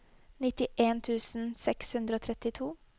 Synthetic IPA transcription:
nɪt̪ɪʔeːnt̪ʰʉːsn̩sɛkshʉnd̪ɾəoːt̪ʰɾɛt̪ɪt̪ʰuː

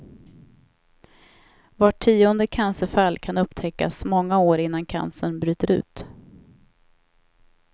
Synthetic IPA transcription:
vaʈʰːiːɔnd̪əkʰansəfalkʰanɵpt̪ʰɛkːa̰smɔŋːaoːɾɪn̪ːankʰa̰nsənbɾyːt̪əɾʉ̟̰ːt̪

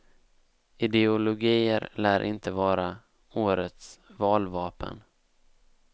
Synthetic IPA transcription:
ɪd̪ɛʊlʊɡiːəɾlæːɾʔɪnt̪əvɑːɾa | oːɾət̪svɑːlvɑːpə̰n

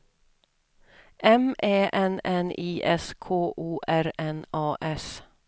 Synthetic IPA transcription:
ʔɛmʔeːʔɛnɛniːʔɛskʰoːʔuːʔæɾɛnɑːʔɛs

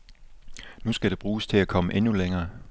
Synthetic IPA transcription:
nusɡ̥æɾ̥e̝b̥ʁuːst͡sʰe̝ækʰɒ̽məʔenuleŋɐː

